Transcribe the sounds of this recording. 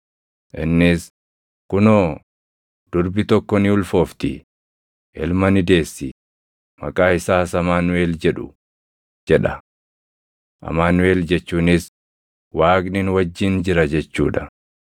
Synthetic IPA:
ʔɪnːɪs | kʊnoː | d̪̥ʊɾbɪt̪ɔkːɔnɪʊlfo̞ːft̪ɪ̰ | ʔɪlmɐnɪd̪e̞ːsːɪ | mɐkʼaːɪsaːsɐmaːnʊwe̞ːld͡ʒɛᶑʊ | d͡ʒɛᶑɐ | ʔɐ̰maːnʊwe̞ːld͡ʒɛt͡ʃːuːnɪs | waːkʼnɪnwɐd͡ʒːiːnd͡ʒɪɾɐd͡ʒɛt͡ʃːuːᶑɐ̥

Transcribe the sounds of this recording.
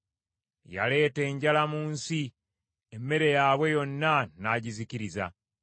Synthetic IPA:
ja̰le̞ːte̞ːɲɟalamuːnsi | emːe̞ɾe̞jaːβwe̞jo̞nːanaɟiziciɾiza̰

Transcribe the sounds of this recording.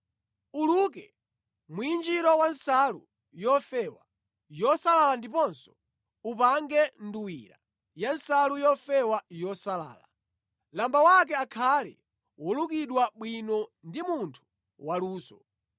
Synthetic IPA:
ulukɛ | muind͡ʒiɾɔwansalṵ | jɔfɛwa | jɔsalalandip̬ɔnsɔ | upaŋɡɛnduwiɾa̰ | jansalujɔfɛwajɔsala̰ːla | lambawak̬ɛakʰalɛ̰ | wɔluk̬iɗwaɓwinɔndimuntʰu̥ | waluːsɔ

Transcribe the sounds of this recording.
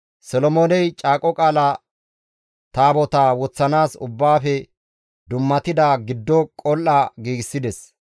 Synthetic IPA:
sɔlɔmoːnɛjt͡ʃʼaːkʼɔkʼaːlɐ | t̪aːbɔt̪awɔt͡sːɐnaːsʊbːaːfɛ | d̪ʊmːɐt̪ɪd̪aɡɪd̪ːɔkʼɔlʔɐɡiːɡɪsːɪd̪ɛs

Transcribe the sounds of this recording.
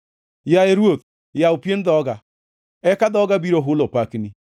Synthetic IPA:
jaeɾwot | jaopjendɔɡa | ɛkadɔɡabiɾoɦʊlopakni

